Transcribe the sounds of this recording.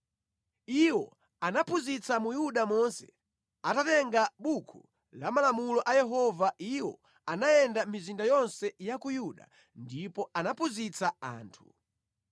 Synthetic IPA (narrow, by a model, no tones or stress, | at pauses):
iwɔ | anapʰuzit͡samujuɗamɔnsɛ | atatɛŋɡaɓukʰu | lamalamulɔʔajɛɦɔvaiwɔ̰ | anajɛndamizindajɔnsɛjakujuɗa̰ | ndipɔanapuzit͡saa̰ːntʰu